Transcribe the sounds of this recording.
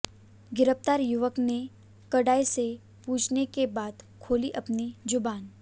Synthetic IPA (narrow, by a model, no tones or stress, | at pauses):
ɡɪɾəpt̪aːɾjʊʋəkne | kəɽaːise | puːt͡ʃʰnekebaːd̪kʰoːliʔɐpnid͡ʒʊbaːn